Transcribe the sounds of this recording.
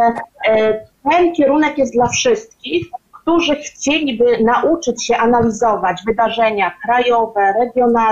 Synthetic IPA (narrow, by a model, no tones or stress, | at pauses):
t̪ɛnkʲɛɾunɛkjɛst̪d̪lafʂɘst̪kʲixkt̪uʐɘxt͡ɕelʲibɘnaʔut͡ʂɘt͡ɕɕɛʔanalʲizɔvad͡ʑvɘd̪aʐɛɲakɾajɔvɛɾɛɡʲjɔna